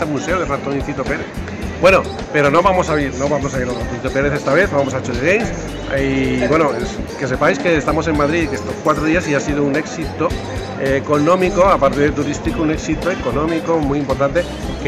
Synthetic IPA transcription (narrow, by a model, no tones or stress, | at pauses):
amuse̞oðerat̪oniθit̪o̞pe̞ɾe̞θ | bweno̞ | pe̞ɾo̞no̞βamo̞saβiɾno̞βamo̞s̬aiɾarat̪onit̪ope̞ɾeθe̞st̪aβe̞θβamo̞sat͡ʃoleɣejns | βwe̞nos | ke̞s̬e̞pajske̞ːst̪amo̞s̬e̞mmaðɾikest̪okwat̪ɾoðiasiasiðoune̞ksit̪o̞ː | ko̞nõ̞miko̞apaɾt̪eðet̪uɾist̪ikoune̞ksit̪oeko̞nõ̞miko̞mujimpo̞ɾt̪ant̪e̞ | k